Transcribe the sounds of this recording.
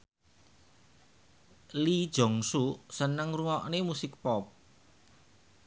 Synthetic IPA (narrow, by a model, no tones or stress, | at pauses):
lid̥ʒ̥ɔ̤ŋsusənəŋruŋɔʔnemusɪk̚pɔp̚